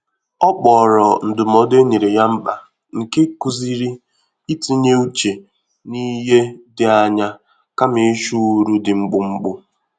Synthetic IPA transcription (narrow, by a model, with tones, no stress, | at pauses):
ɔ˦k͡pɔː˨ɾɔ˨n̩˨dʊ˨m˨ɔ˨de˦ɲe˨ɾe˨ja˦m̩˦k͡pa˨ | ŋ̩˨ke˦ku˦zi˦ɾi˦ | i˦ti˦ɲe˦u˦t͡ʃe˨ | ni˦ɦe˦dɪ˨a˨ɲa˦ | ka˦mɪ˨˦ʃu˦ɾu˦dɪ˨ŋ͡m̩˦ɡ͡bʊ˨ŋ͡m̩˦ɡ͡bʊ˦